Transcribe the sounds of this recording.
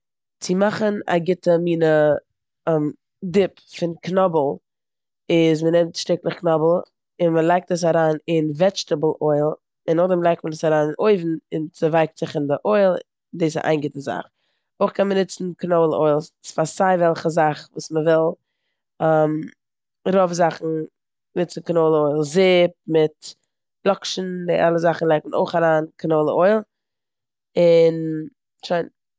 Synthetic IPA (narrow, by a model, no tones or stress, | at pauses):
t͡sɪmaχəna̰ɡɪtəmiːnə | m | dɪp | fɪnknɔbl̩ˠ | ɪzmənɛmtʃtɪklˠəχknɔbl̩ˠ | ɪnməlˠaɪk̚təs̬aɾaːnɪnvɛt͡ʃtəbl̩ˠoɪlˠ | ɪnɔdəmlˠaɪk̚t̚mədəsaɾaːnɪnoɪvn̩ɪnt͡sɪvaɪk̚tz̥ɪχɪndɪʔoɪlˠ | diːs̬ʔa̰ɪnɡɪtəza̰χ | oɪχkʰɛnmənɪt͡sn̩knoʊlˠəʔoɪlˠsɪ̥sfasaɪvɛlˠχəzaχvuːsməvɪlˠ | am | ɾɔfzaχn̩ | nɪt͡sn̩knoʊlˠəoɪlˠzɪp̚mɪt | lˠɔkʃn̩dɪʔalˠəzaχn̩lˠaɪk̚tməno̰ɪχaɾaːnkʰnoʊlˠəoɪlˠ | ɪn | ʃaɪn